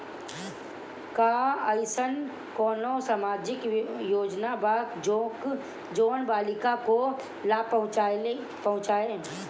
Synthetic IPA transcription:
kaəɪsən | kɔːnõsamaːd͡ʒɪkjoːd͡ʒnabako | d͡ʒoːnbaːlɪkako | laːpɐʊ̃t͡ʃae | pɐɦʊ̃t͡ʃaːeː

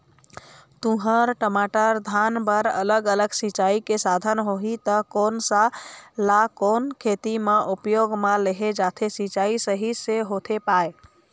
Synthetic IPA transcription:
t̪uɦəɾʈəmaʈəɾd̪ʱanbəɾə̰ləɡələɡsit͡ʃaikesad̪ʱənɦoɦit̪əkoːnsalakoːnkʰet̪imeʔupjoɡmaleɦed͡ʒat̪ʰesit͡ʃaisəɦiseɦot̪ʰepae

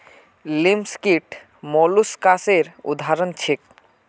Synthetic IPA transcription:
limskiʈ | mɔluskaseɾṵd̪ʱaɾont͡ɕʰek̚

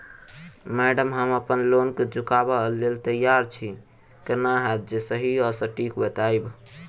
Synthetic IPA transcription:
mɛɖəmɦəməpənlonked͡ʒukabəɦlːelt̪əjaɾt͡ʃʰi | kənaɦad̪̚d͡ʒesəɦiɔsəʈikbət̪aeb

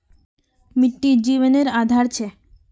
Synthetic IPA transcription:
miʈːid͡ʑiʋoneɾad̪ʱaɾt͡ɕʰe

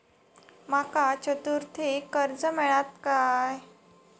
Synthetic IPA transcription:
makat͡ɕət̪uɾt̪ʰikəɾd͡zəmɛɭat̪kaj

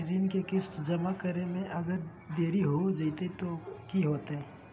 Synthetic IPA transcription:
ɾinkekɪsd͡ʒɐmakəɾemẽʔɐɡəɾ | d̪eːɾiɦod͡ʒəit̪et̪okiɦoːt̪eɦɛ

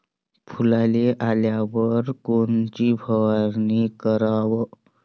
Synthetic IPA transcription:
pʰulaleʔaljaʋəɾkont͡ɕiːbʱəʋaɾnikəɾaʋ

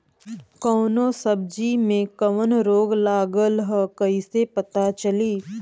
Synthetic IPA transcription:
kɔːnõːsəb̚d͡ʒimẽkɐʋənɾoːɡlaːɡəlɦəkɐisepɐt̪at͡ʃɐliː

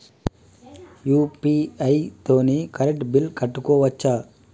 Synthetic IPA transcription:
juːpiɐjt̪oːnekɐɾeʈbilkɐʈːukoːʋɐt͡ʃːa

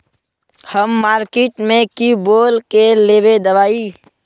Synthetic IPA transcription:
həmːaːɾkeːʈmẽkiboːlkeleːʋed̪ɐʋaːiː

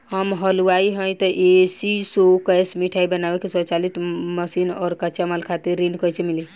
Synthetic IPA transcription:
həmɦəluaiɦə̃j̃t̪ɔʔesisokəjsmiʈʰaibənabekesɔt͡ʃalit̪ʰməsinɔɾkət͡ʃamalkʰat̪iɾːinkəjt͡ʃʰemili

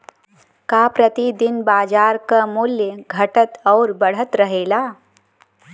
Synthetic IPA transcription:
kaːpɾət̪id̪ɪnbaːd͡ʒaːɾkamuljəɡʱɐʈət̪ɔːɾbəɽ̤ət̪ɾəɦeːlaː

